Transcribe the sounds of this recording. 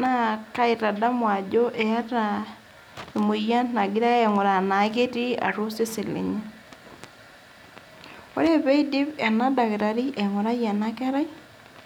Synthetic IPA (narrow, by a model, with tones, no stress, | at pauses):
na˦ka˦i˨ta˨da˦mwa˨d͡ʒo˦ʔe˨a˦ta˨ | e˨mo˨ja˦nna˨ɡi˦ɾa˦ɛ˨ŋo˨ɾa˨na˨ke˦ti˦a̰˨ɾo˦se˦si˨lḛ˨ɲa˦ | o˦ɾe˦βe˦i˦di˦βa˨na˦da˨ɣɾa˨ɾi˦ʔɛ˨ŋo˨ɾa˦ja˨na˦kɛ˦ɾa˦i˦